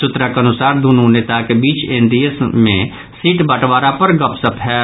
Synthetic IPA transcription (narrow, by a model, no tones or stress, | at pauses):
ʊt̪ɾakeɐnʊsaːɾd̪uːnuneːt̪akebiːt͡ʃẽːɳɖijəsmẽ | siːʈbəʈʋaːɾapɐɾɡɐpsəpɦɛ